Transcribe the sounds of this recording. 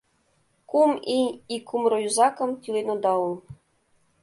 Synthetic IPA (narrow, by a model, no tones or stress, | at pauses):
kuminʲikʰumrojuzɑkɤ̆mt̪ʲilʲenod̪ɑulˠ